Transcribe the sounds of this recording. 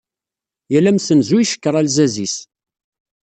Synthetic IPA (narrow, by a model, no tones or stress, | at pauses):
jælæmsənzuiʃə̥kːəɾˤælzæzis